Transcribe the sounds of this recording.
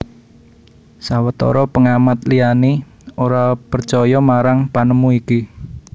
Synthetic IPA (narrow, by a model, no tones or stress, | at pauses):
sawət̪ɔ̰ɾɔpəŋamat̪̚liani | oɾapərt͡ʃɔjɔmaɾaŋpanəmuiki